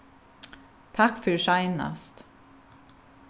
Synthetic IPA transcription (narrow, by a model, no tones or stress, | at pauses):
t̪ʰɑkfœɾʃɑɪnɑ̰st̪